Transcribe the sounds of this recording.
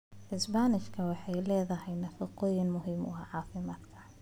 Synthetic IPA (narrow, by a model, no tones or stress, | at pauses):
ʕɪsbaːnɪʃkʰɐwɑħɑjlɛːðɐɦɛjnɐfɑqɔːjɪnmʊɦɪmʊ̰ɑʕɑːfɪmaːd̪kʰɐ̥